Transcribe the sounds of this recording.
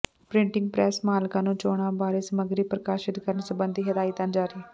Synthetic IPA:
pɾɪ̃ɳʈɪ̃ŋɡ̚pɾɛːsmaːlkãːnũːt͡ʃoːɽ̃ãːbaːɾiːsəməɡɾiːpɾəkaːʃɪt̪kəɾənsəbənd̪iːɦəd̪aːɪt̪ãːd͡ʒaːɾiː

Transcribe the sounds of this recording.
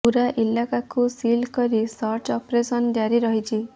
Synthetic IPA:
uɾaʔilakakusilkɔɾisɔɾt͡ʃɔpɾesɔnd͡ʒaɾiɾɔɦit͡ʃʰi

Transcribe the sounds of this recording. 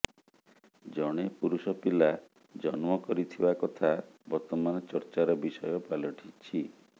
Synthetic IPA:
d͡ʒɔɽ̃epuɾusɔpila | d͡ʒɔnmɔkɔɾit̪ʰibakɔt̪ʰabɔɾt̪ɔmanɔt͡ʃɔɾt͡ʃaɾɔbisɔjɔpalɔʈʰit͡ʃʰi

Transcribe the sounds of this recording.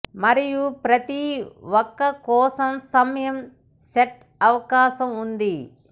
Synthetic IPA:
mɐɾijupɾɐt̪iwɔkːɐkɔːsɐmsɐmɐjɐm | seʈ | ɐʋɐkaːʃɐmund̪i

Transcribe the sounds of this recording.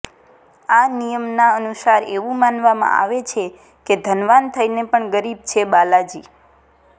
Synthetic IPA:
anijəmnaənusaɾeʋũmanʋamã̰a̰ʋet͡ʃʰe | ked̪ʱənʋant̪ʰəjnepəɳɡəɾib̚t͡ʃʰebalad͡ʒi

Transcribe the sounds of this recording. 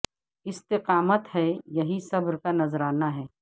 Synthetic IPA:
ɪst̪ɪqaːmət̪ɦɛjɐɦisɐbɾkanɐzɾaːnaɦɛː

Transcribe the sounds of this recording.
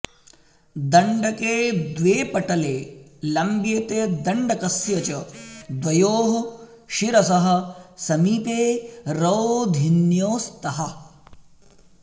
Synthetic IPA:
d̪ɐɳɖɐkeːd̪ʋeːpɐʈɐleːlɐmbjet̪ed̪ɐɳɖɐkɐsjɐt͡ʃɐd̪ʋɐjoːɦɐ | ʃiɾɐsɐɦɐ̆sɐmiːp̪eːɾɐʋd̪ʱinjoːst̪ɐɦɐ

